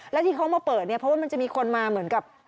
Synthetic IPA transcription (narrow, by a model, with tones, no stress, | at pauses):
lɛ˦˥t̪ʰiː˧˩kʰa˦˥wmaː˧pɤː˨˩t̪̚ni˥˩ɐpʰɔ˦˥waː˥˧m˧t͡ɕa˨˩ʔmiː˧kʰo˧nmaː˧mɯ˩˦nka˨˩p̚